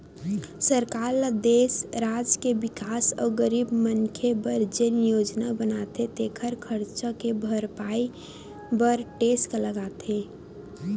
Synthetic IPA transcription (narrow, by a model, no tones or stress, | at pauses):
səɾkaːɾlad̪eːsɾaːd͡ʒkebɪkaːsɔːɡəɾiːbmənkʰebəɾd͡ʒenjoːd͡ʒnabənat̪et̪eːkʰəɾkʰəɾt͡ʃakebʱəɾpaːi | bəɾʈeːskaləɡaːt̪e